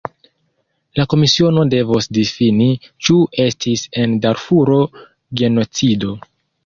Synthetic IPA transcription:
lako̞misio̞no̞de̞vosdifinit͡ʃue̞stʰise̞ndaɾfuɾo̞ | ɡe̞no̞t͡sido̞

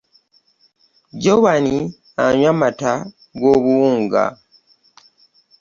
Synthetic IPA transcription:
ɟoβani | aɲwamata | ɡo̞ːβuwuːŋɡa̰

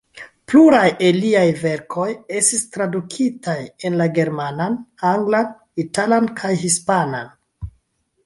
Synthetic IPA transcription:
pluɾajeliajve̞ɾkʰo̞je̞stistɾadukʰitaje̞nlaɡe̞ɾmananaŋɡlan | italankʰajɦispanan

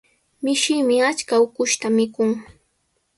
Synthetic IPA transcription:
mɪʃɪːmɪat͡ʃkaʊkʊʃt̪amɪkʊŋ

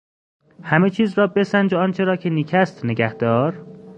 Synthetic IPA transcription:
hæmet͡ʃʰiːzɾɒːbe̞sænd͡ʒeɒːnt͡ʃʰe̞ɾɒːcʰeniːcʰæst̪neɡæhd̪̥ɒːɾ

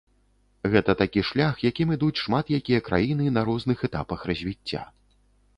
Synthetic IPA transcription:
ɣɛt̪ɐt̪akʲiʂlʲaxjakʲimɨd̪ut͡sʲʂmat̪jakʲijɐkɾa̰jinɨnɐɾɔznɨxɛt̪a̰pɐxrɐzʲvʲit͡sʲːa̰

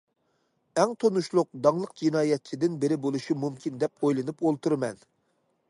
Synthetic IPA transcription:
ɛŋt̪ʰonuʃlˠʊq̚d̪ɑŋlˠəq̚d͡ʒinɑːjɛt̪̚t͡ʃʰid̪ɪnbɪɾɪbolˠuʃimumkʲʰind̪ɛp̚ojlˠɨnɨpolˠt̪ʰuɾmɛn

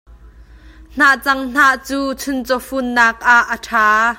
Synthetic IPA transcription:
n̥aʔt͡sɐŋn̥aʔt͡suːt͡sʰʊnt͡sɔfunːaːk̚ʔaʔːəʈʰaː

